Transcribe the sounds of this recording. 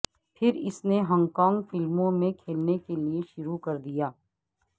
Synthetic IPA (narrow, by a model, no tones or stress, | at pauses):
pʰɪɾɪsneɦɔ̃ŋɡkaːŋɡfɪlmõmẽkʰeːlnekelieʃʊɾukɐɾd̪ijaː